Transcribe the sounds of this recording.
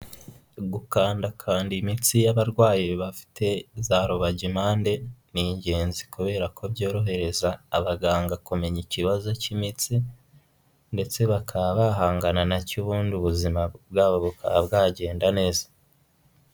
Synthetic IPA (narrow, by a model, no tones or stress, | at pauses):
ɡukaːndakʰaːndimit͡sijaβaɾɡwaːjiβafi̥te̞zaɾoβaɟimaːnde̞niɲɟe̞ːnzikuβe̞ːɾakʰo̞bɟo̞ːɾo̞ɦe̞ɾe̞zaːβaɡaːŋɡakume̞ɲiciβazo̞cimit͡si | nde̞t͡se̞βakʰaββaɦaːŋɡananacuβuːndiuβuzimabɡaːβoβukʰaβabɡaːɟe̞ːndane̞ːzḁ